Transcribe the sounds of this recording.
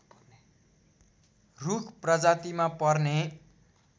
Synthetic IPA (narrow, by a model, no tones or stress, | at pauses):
rukʰprʌd͡zat̪imapʌrne